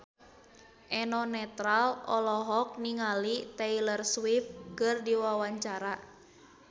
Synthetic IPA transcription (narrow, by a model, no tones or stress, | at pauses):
ʔɛnɔnɛt̪ɾalɔ̰lɔɦɔk̚niŋalit̪ɛilərswifkɨrdiwawaɲt͡ʃaɾa